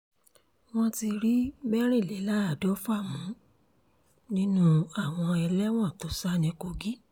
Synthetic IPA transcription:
w̃ɔ̃˦ti˧ɾi˦bɛ˦ɾe˦˨le˨˦la˦a˦˨dɔ˨˦fa˦˨mũ˨˦ | nĩ˦nũ˦a˦˨w̃ɔ̃˧ɛ˧lɛ˦w̃ɔ̃˦˨to˨˦sa˦nĩ˧ko˧ɡi˦

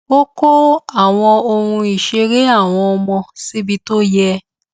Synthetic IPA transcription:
o˦ko˦a˦˨w̃ɔ̃˧o˧ɾũ˧i˨ʃe˧ɾe˦a˦˨w̃ɔ̃˧ɔ˧mɔ̃˧si˦bi˦to˦jɛ˦

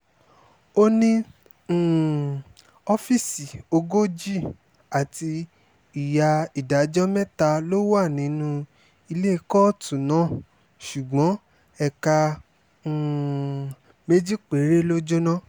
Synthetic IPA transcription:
o˦nĩ˦˨ | ɔ˧fi˦˨si˨o˧ɡo˦d͡ʒi˦ | a˨ti˧ | i˨ja˧i˨da˨d͡ʒɔ˦mɛ˦ta˧lo˦wa˦˨nĩ˨˦nũ˦ | i˧le˦˧kɔ˦tũ˨nã˨˦ | ʃu˨ɡ͡bɔ̃˨˦ | ɛ˧kã˧˦˨ | me˦d͡ʒi˦k͡pe˨˦ɾe˦lo˦d͡ʒo˦nã˦

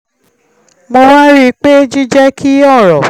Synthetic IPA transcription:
mo˧wa˦ɾi˦k͡pe˦d͡ʒi˦d͡ʒɛ˦kʰi˦ɔ˦˨ɾɔ˨

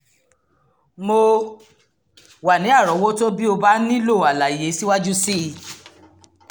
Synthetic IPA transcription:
mo˧ | wa˨nĩ˨˦a˦˨ɾɔ˨˦wo˦to˦bi˦o˧ba˦nĩ˦lo˦˨a˨la˨je˨˦si˦wa˦d͡ʒu˦si˦˨

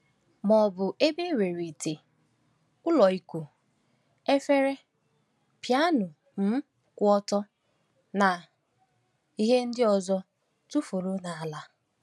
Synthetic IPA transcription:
mɔ˨bʊ˨ʔe˦be˦we˨ɾi˨te˨ | ʊ˦lɔ˨i˦kʷu˨ | e˦fe˦ɾe˦ | pja˦nʊ˨ | m̩˦ | kʷʊ˦ɔ˦tɔ˦ | na˨ | i˦ɦe˦n̩˦dɪ˦ɔ˨zɔ˦ | tu˦fu˨ɾu˦na˨a˨la˦

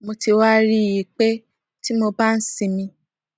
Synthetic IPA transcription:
mo˧ti˧wa˦ɾi˦˨ji˨k͡pe˦ | ti˦mo˧ba˦n̩˦sĩ˧mĩ˧

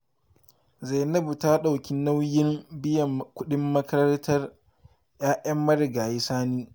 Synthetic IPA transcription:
za˨jnɐ˦bu˨ta˦ɗa˨wkʲɪ˦nːa˦wjɪ˦mbɪ˦jɐ˨mkʷʊ˦ɗɪ˦mːɐ˦kɐ˦ɾɐ˦ntɐ˦r | jaː˦ʔɐ˦mːɐ˦ɾɪ˨ɡaː˨ji˦saː˦niː˦

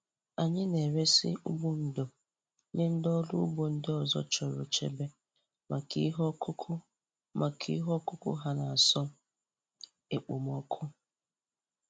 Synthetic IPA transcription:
a˨ɲɪ˦ne˨ɾe˦sḭ˦u˦bu˦n̩˨do˨˦ | ɲe˦n̩˦dɔ˦lu˦bo˦n̩˦dɪ˦ɔ˨zɔ̰˦t͡ʃɔ˨ɾʊ̰˨t͡ʃḛ˦be˦ | ma˨kḭ˦ɦɔ˦kʊ˦kʰʊ˦ | ma˨kʰḭ˦ɦɔ˦kʊ˦kʊ̰˦ɦa˦na˨a˨sɔ˦ | e˨k͡po˨m˦ɔ˦kʰʊ˦

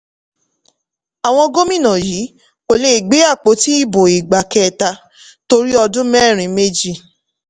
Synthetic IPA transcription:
a˨w̃ɔ̃˧ɡo˦mĩ˦˨nã˨ji˨˦ | o˨le˧˨i˨ɡ͡be˨˦a˦˨k͡po˨˦ti˦i˦˨bo˨i˨ɡ͡ba˨kɛ˦˨ta˧ | to˧ɾi˦ɔ˧dũ˦mɛ˦˨ɾ̃ĩ˨me˦d͡ʒi˦˧˨

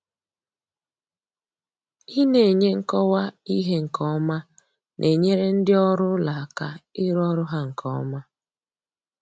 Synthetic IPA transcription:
i˦ne˨ɲe˦ŋ̩˨kɔ˦wa˦i˦ɦe˦ŋ̩˨kʰɔ˦ma˦ | nʔe˨ɲe˦ɾe˦n̩˦dɪ˦ɔ˦ɾʊ˦la˨a˨ka˨ɪ˦ɾɔ˦ɾʊ˦ɦa˦ŋ̩˨kʰɔ̰˦ma˦

